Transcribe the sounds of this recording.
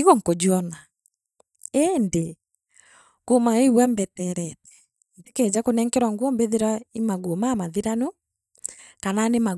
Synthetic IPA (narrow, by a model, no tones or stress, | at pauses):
iɣɔŋkod͡ʑuɔna | ende | kumaewɛmbɛtɛɾɛtɛ̥ | ndeked͡ʑakonɛŋkɛɾwaŋɡwɔmbeðeɾwaimaɣomamaðiɾano | kananema